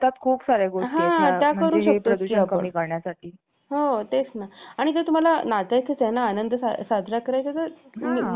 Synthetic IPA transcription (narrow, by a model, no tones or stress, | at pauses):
t̪at̪kʰuːpsaɾeɡoʈɦaẽt̪jaəɾuːɕəktpoəuiapəɳikəɾɳjasaʈʰiː | ɦot̪esnaaɽ̃it̪et̪um̤alanat̪ajt̪ʰet͡senaːnənd̪əsa̰sad̪ʱɾakəɾajt͡sat̪əɾ